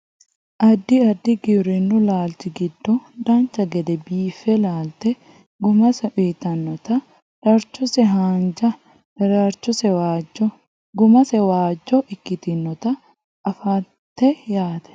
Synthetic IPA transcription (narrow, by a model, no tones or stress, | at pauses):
ʔɐd̪ːɪɐd̪ːɪɡɪɾɪnːʊlaːlt̪ɪɡɪd̪ːɔᶑaːnt͡ʃɐɡɛd̪ɛbiːfɛlaːlt̪ɛ | ɡʊmɐsɐʔiːt̪ɐnːɔt̪ɐ | dɐɾt͡ʃʊsɛɦaːnd͡ʒɐ | hɛɾaɾt͡ʃːʊsɛwaːd͡ʒɔ | ɡʊmɐsɛwaːd͡ʒːɔʔɪkːɪt̪inːɔt̪ɐ | ʔːfaː | t̪ːɛjaːt̪ɛ̥